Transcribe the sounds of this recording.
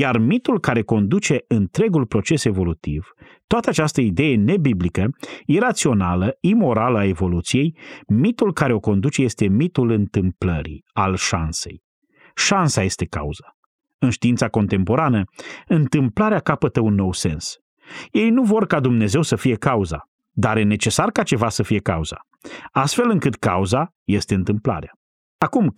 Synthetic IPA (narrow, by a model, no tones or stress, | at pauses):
jarmit̪ulkaɾe̞ko̞nd̪ut͡ʃe̞ɨnt̪ɾe̞ɡulpɾo̞t͡ʃe̞se̞vo̞lut̪iv̥ | t̪oat̪əat͡ʃast̪əid̪e̞je̞ne̞biblikəjeɾat̪sio̞naləimo̞ɾaləae̞vo̞lut̪sije̞jmit̪ulkaɾe̞o̞ko̞nd̪ut͡ʃe̞je̞st̪e̞mit̪ulɨnt̪ɨmpləɾḭalʃa̰nse̞̰j | ʃansaje̞st̪e̞ka̰uza | ɨnʃt̪iint̪sako̞nt̪e̞mpo̞ɾanəɨnt̪ɨmplaɾeakapət̪əunːo̞wse̞ns | je̞jnuvo̞rkad̪umne̞ze̞wsəfije̞kauza̰ | d̪aɾjene̞t͡ʃe̞sarkat͡ʃe̞vasəfije̞kauz̥a̰ | ast̪fe̞lɨŋkɨt̪ka̰uzaje̞st̪e̞ɨnt̪ɨmpla̰ɾea | akum